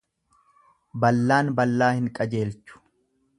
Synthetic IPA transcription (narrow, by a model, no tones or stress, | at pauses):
bɐlːaːnbɐlːaːhɪŋkʼɐd͡ʒe̞ːlt͡ʃːʊ̥